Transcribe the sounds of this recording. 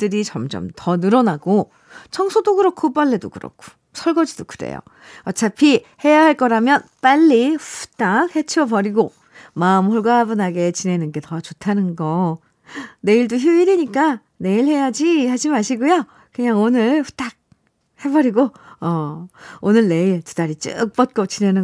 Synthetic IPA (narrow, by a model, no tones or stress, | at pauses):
t͈ɯɾit͡ɕʌmd͡ʑʌ̰mtʰʌnɯɾʌnaɡo | t͡ɕʰʌŋsʰodoɡɯɾʌkʰop͈aɭːe̞do̰kɯɾʌ̰kʰo̥ | sʰʌɭɡʌd͡ʑidokɯdḛjo̰ | ʌt͡ɕʰapʰi | he̞jaɦaɭk͈ʌɾamjʌnp͈aʎːiɸu̥t͈ak̚he̞t͡ɕʰiʌbʌɾiɡo | maɯmhoɭɡaːbɯnaɡe̞t͡ɕine̞nɯnɡe̞tʌt͡ɕotʰanɯnɡʌ | ne̞iɭdoçjuiɾiɲik͈a | ne̞iɭhe̞jad͡ʑihad͡ʑimaɕʰiɡojo | kɯɲaŋonɯɭɸu̥t͈ʰak̚ | he̞bʌɾiɡoʌonɯɭne̞iɭtu̥d̥aɾit͡ɕ͈ɯ̰k̚p͈ʌt̚k͈ʌt͡ɕine̞nɯ